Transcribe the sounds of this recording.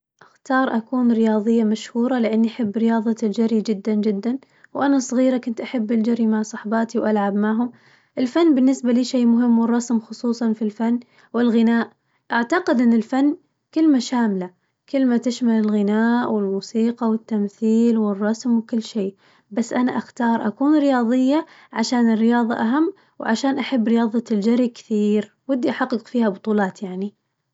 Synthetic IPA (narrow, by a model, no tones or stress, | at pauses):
ʔaxt̪ɑːɾˤʔakuːnɾɪjɑːðˤɨjːamaʃhuːɾˤɑlɪʔɪnːiʔaħɪbːɾɪjɑːðˤɑld͡ʒaɾid͡ʒɪd̪ːand͡ʒɪd̪ːan | wʔanasˤɣiːɾakʊnt̪ʔaħabːɪld͡ʒaɾimaʕsˤɑħbɑːt̪iwʔalʕabmaʕɦʊm | ʔɪlfanːbɪnːɪsbaliːʃeːmʊɦɪmːwɪrˤːɑsmxʊsˤuːsˤɑnfilfanː | wɪlɣɪnaːʔ | ʔaʕt̪aqɪd̪ʔɪnːɪlfanː | kɪlmaʃaːmla | kɪlːmat̪ɪʃmalɪlɣɪnaːʔwɪlmuːsiːqɑwɪt̪ːamθiːlwɪrˤːɑsmwkɪlːʃeː | basːʔanaʔaxt̪ɑːɾˤʔakuːnɾɪjɑːðˤɪjːa | ʕaʃaːnɪrːɪjɑːðˤɑʔaɦamː | wʕaʃaːnʔaħabːɾɪjɑːðˤɑld͡ʒaɾikɪ̥θiːɾ | wɪd̪ːiʔaħɑqːɨqfiːhabʊt̪ˤuːlɑːt̪jaʕni